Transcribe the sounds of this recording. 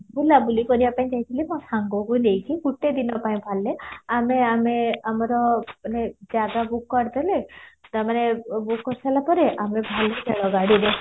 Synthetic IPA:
bulabulikɔɾibapaĩt͡ʃaɦjt̪ʰilimɔ̃saŋɡokujnejkʰiɡuʈed̪inɔpaĩbʱaleameameamɔɾɔned͡ʒaɡabukːɔɾd̪elet̪aɾmanebukːɔɾsalapɔɾeʔamebʱaledʱeɭɔɡaɽiɾe

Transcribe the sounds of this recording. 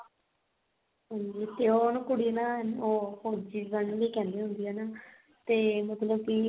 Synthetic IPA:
ɦãːɲd͡ʒiːt̪eːonũːkʊɽiːnaːɦənoːhoːɾd͡ʒiːʋənʋiːkɛ̃ːnd̪eːɦʊ̃nd̪iːaːnaː | t̪eːmət̪ləb̚kɪ

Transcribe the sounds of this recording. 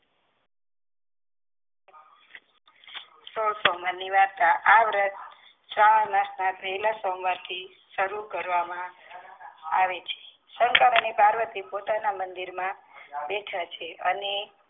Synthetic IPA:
sosɔməniʋaɾt̪aʔaʋɾət̪ | ʃaɭanasnat̪elasəmʋat̪ʰi | ʃəɾukəɾʋamã | aʋet͡ʃʰe̥ | səŋkaɾənepaɾʋət̪ipot̪anamənd̪iɾmãbɛʈʰat͡ʃʰeʔəne

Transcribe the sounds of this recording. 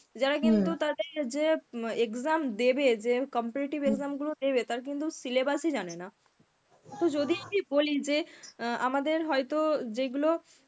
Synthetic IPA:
d͡ʑaɾakint̪ut̪ad̪eɾd͡ʑeekzamd̪ebed͡ʑekɔmpɛɾiʈibekzamɡulod̪ebet̪aɾk̬int̪̬usilebasid͡ʑanena | t̪od͡ʑod̪ikibolid͡ʑea̰mad̪eɾɦɔjt̪od͡ʑeɡulo

